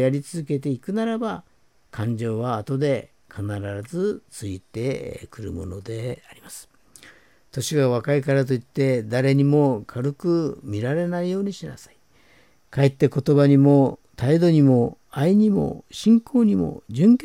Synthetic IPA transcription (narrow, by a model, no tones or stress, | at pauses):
jaɾʲit͡sɨzɨke̞t̪e̞ikɯ̟naɾaba | kʰãɲ̟d͡ʑo̞ːβaːt̪o̞d̪e̞ | kʰanaɾaɾazɨt͡sɨit̪e̞kɯ̟ɾɯ̰mo̞no̞d̪e̞aɾʲimasɨ̥ | t̪o̞ɕiɡaβakaikaɾat̪̬o̞it̪ːe̞d̪aɾe̞ɲ̟imo̞kʰaɾɯkɯ̟mʲiɾaɾe̞naijo̞ːɲ̟iɕina̰sai̥ | kaet̪ːe̞ko̞t̪o̞baɲ̟imo̞t̪aid̪o̞ɲ̟imo̞ | aiɲ̟imo̞̰ɕĩŋkʰo̞ːɲ̟imo̰d͡ʑɨ̃ŋk